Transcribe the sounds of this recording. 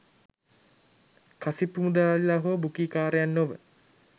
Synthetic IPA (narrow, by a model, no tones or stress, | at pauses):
kasipːumud̪aːllaɦoːbukiːkaːɾejanːoʋə